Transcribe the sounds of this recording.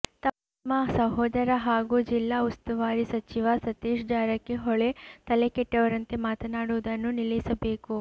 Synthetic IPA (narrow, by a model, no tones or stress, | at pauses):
t̪ɐ | mːɐsɐɦɔːd̪ɐɾɐɦaːɡuːd͡ʒilːaːust̪ɐʋaːɾisɐt͡ʃiʋasɐt̪iːʃd͡ʒaːɾɐkːeɦɔɭet̪ɐlekeʈːɐʋɐɾɐnt̪emaːt̪ɐnaːɽuːd̪ɐnːunilɐisɐbe̞ːku